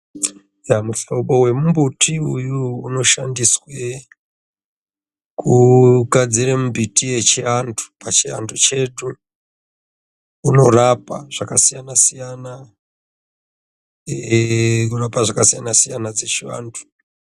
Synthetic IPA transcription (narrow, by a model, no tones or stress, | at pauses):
jamufoɓo̞we̞mumbutʰiujuuno̞ʃandiswe | kuɡad͡ziɾemumbʱitije̞t͡ʃiantʰu̥pat͡ʃia̰ndʰut͡ʃe̞ɗu | no̞rapaʐ̥akasijanasijana | ekurapaʐakasijanasijanad͡zet͡ʃiwa̰ːntʰu̥